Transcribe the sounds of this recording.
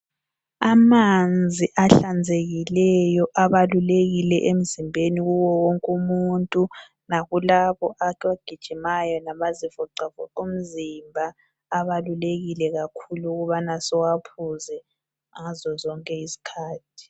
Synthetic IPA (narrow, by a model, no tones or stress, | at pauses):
amand͡zʱiʔaɬand͡zʱeɣilɛjɔʔaβaluleɣilɛʔem̩zimbʱeniɣuwɔwoŋkʼumuntʼu | naɣulaβɔʔakʰwaɡ̥ʱid̥ʒ̥ʱimajɔnamazifɔǀafɔǃum̩zimbʱaː | βaluleɣilɛɣakʰuluɣuβanasɔwapʰuzɛ | ŋazɔzɔŋkʼɛisi̥kʰaːtʰi̥